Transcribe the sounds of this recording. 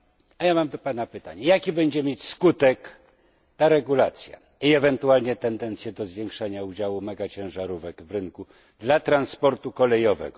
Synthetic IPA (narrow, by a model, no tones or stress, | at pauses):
ajamamd̪ɔpanapɘt̪a̰ɲɛjakʲibɛɲd͡ʑɛmʲjet͡ɕskut̪ɛk | t̪aɾɛɡulat̪sʲja̰ | iɛvɛnt̪ualɲɛt̪ɛnd̪ɛnt̪sʲjɛd̪ɔzvʲjɛŋkʂaɲaud͡ʑawumɛɡat͡ɕɛ̃w̃ʐaɾuvɛkvɾɘŋku | d̪lat̪ɾanspɔɾt̪ukɔlɛjɔvɛ̰ɡɔ